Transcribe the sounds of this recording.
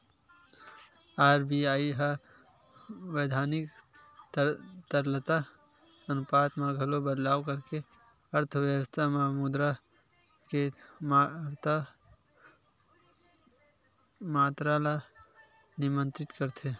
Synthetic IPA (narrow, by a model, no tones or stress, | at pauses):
aːɾbiaːiɦa | ʋəjd̪ʱaːnɪk | t̪əɾlət̪a | ənʊpaːt̪mãɡʱɐlobəd̪laːʋkəɾke | ɐɾt̪ʰəʋjəʋəst̪ʰamamud̪ɾa | kemɾt̪a | maːt̪ɾala | nɪmə̃nt̪ɾɪt̪kəɾt̪ʰe